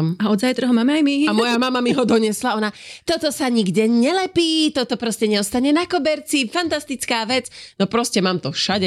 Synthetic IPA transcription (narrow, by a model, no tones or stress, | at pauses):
maɔd̪zajt̪ɾɛɦɔmaːmɛajmiamɔjamamamiɦɔd̪ɔɲɛslaɔnat̪ɔt̪ɔsaɲiɡɟɛɲɛlɛpiːt̪ɔt̪ɔpɾɔscɛɲɛɔst̪aɲɛnakɔbɛɾt͡sifant̪ast̪it͡skaːʋɛd͡znɔpɾɔscɛmaːmt̪ɔfʃaɟɛ